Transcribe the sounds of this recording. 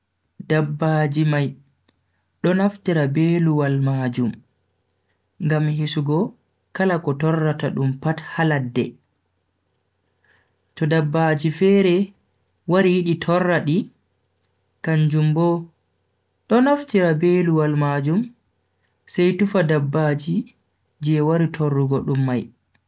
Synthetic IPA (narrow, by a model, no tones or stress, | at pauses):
dabːad͡ʒimaj | ɗɔnaftiɾabeːluwalmad͡ʒum | ŋɡamhisuɡɔ | kalakɔtɔrːataɗumpathaladːɛ | tɔdabːad͡ʒifɛɾɛ | waɾijiɗitʰɔrːaɗi | kand͡ʒumbɔ | ɗɔnaftiɾabeluwalmad͡ʒum | sajtufadabːad͡ʒi | d͡ʒɛwaɾitʰɔrːuɡɔɗumːaj